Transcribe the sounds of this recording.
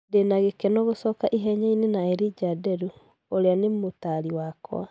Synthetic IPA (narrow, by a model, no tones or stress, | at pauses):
denaɣekɛnɔɣosɔːkaʔiɦɛɲainenaɛɾid͡ʒadɛɾu | oɾeanemotaɾiwaːkɔ̰a